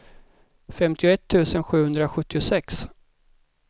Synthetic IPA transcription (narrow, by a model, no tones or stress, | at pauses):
fɛmt̪ʰɪʊɛt̪ʰːʉ̟ːsənɧʉ̟ːhɵnd̪ɾaɧɵt̪ːɪʊsɛks